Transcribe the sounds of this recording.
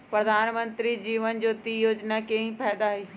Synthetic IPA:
pɾəd̪ʱaːnmə̃nt̪ɾid͡ʒiːʋənd͡ʒoːt̪iːjoːd͡ʒnakẽɦĩpʰɛːd̪aiː

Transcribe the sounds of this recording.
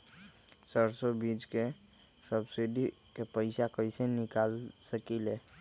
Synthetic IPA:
səɾsobiːd͡ʒke | səbsɪɖi | kepəɪsakəɪsenɪkaːlsəkileː

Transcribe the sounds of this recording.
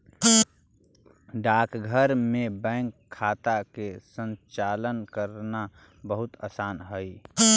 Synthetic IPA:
ɖaːkɡʱəɾmẽbɛ̃ːŋkʰːaːt̪akesə̃nt͡ʃaːlənkəɾna | bəɦʊt̪aːsaːnɦəi

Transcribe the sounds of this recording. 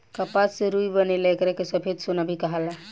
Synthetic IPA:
kəpassẽɾuibənelekɾɛkesəpʰed̪sunəbʱikəɦəla

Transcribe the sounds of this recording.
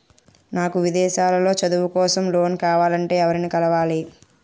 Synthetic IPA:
naːkuʋid̪ɛːʃaːlɐlo̞ːt͡ʃɐd̪uʋukɔːsɐmloːnkaːʋaːlɐɳʈe̞ːɛʋɐɾinikɐlɐʋaːli

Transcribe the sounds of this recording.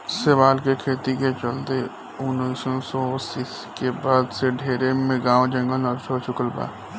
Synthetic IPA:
sɪʋaːlkekʰeːt̪iket͡ʃəlt̪e | ʊnisõsɔsis | kebaːd̪seɖʱeːɾemẽɡãːʋd͡ʒə̃ŋɡəlnəɾsʰot͡ʃʰʊkəlba̰ː

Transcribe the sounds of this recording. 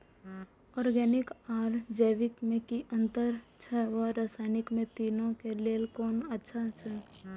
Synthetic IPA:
ɔːɾɡɛːnɪkaːɾd͡ʒəːʋɪkmẽkiʔə̃nt̪əɾt͡ʃʰɛʋaɾasaːnɪkmẽt̪iːnõkeleːlkɔːnətːʃʰat͡ʃʰɛ

